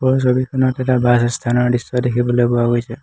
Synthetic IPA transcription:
bɔs̬obikɔnɔt̪eʈabasst̪ʰanɔɹɖistɔd̪ekʰibɔlebɔaɡojt͡ʃʰe

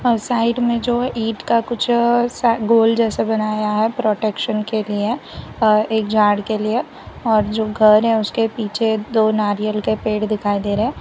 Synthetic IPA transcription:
saːɪɖmẽd͡ʒoːiːʈkakʊt͡ʃʰsaɡoːld͡ʒɛːsebɐnaːjaɦɛpɾoːʈekʃənkelie | eːkd͡ʒaːɽkelie | ɔːɾd͡ʒoːɡʱɐɾɦɛ̃ʊskepiːt͡ʃʰed̪oːnaːɾijəlkepeːɽd̪ɪkʰaːid̪eːɾeɛ̃ː

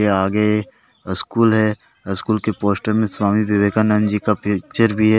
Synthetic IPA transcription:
eaːɡə | ɪskuːlɦɛː | ɪskuːlkepoːsʈəɾmẽswaːmiʋɪʋeːkanand͡ʒikapit͡ʃəɾbʱiɦɛː

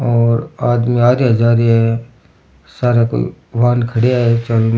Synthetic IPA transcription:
ɔːɾaːd̪miaːɾeɦɐzaːɾɛ | saːɾako̰ḭ | ʋaːnkʰɐɽeaːet͡ʃəlun

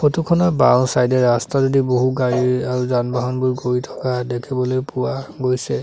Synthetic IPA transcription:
xotukʰɔnɔba̰wnsajdɛɹastazodiboɦuɡaɹiaɹuzanbaɦɔnbuɹɡoɹitʰɔ̥kadekʰibɔlojpuwaɡojsɛ

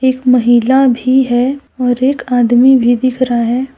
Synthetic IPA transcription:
eːkmɐɦilabʱiɦɛɔːɾeːkaːd̪mibʱid̪ɪkʰɾaɦɛː

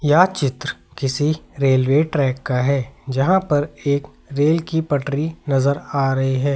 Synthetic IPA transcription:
jat͡ʃɪt̪ɾkɪsiɾeːlʋeːʈɾɛːkːaɦɛːd͡ʒɐɦãpɐɾeːk | ɾeːlkipɐʈɾinɐzəɾaːɾɐɦiɦɛː

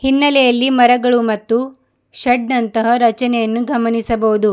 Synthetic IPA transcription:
hinːɐlɛjɐlːimɐɾɐɡɐɭumɐt̪ːu | ʃɐɖnɐnt̪ɐɦɐɾɐt͡ʃɐnɛjɐnːuɡʱɐmɐnisɐbɐʋud̪u

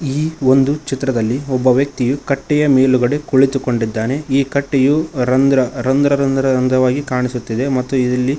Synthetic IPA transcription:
iːo̞nd̪ut͡ʃit̪ːɾɐd̪ɐlːiɔbːɐʋjɐk̚t̪ijukɐʈːɛjɐmeːluɡɐɽekuɭit̪uko̞ɳɖid̪ːaːne̞iːkɐʈːejuɾɐnd̪ɾɐɾɐnd̪ɾɐɾɐnd̪ɾɐɾɐnd̪ɾɐʋaːɡikaːɳisut̪ːid̪e̞mɐt̪ːuid̪ɐlːi

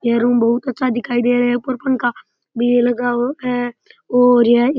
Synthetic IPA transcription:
jeɾuːmbɐɦʊt̪ətːʃʰad̪ɪkʰaːid̪eːɾɦɛʊpəɾpənka | bʱielɐɡaɦɛːoːɾje

